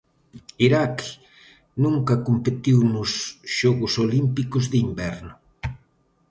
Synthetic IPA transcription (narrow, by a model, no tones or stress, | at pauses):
iɾak | nũŋkɐkompet̪iwnʊsʃɔɣʊsolimpikʊzðɪimbɛɾnʊ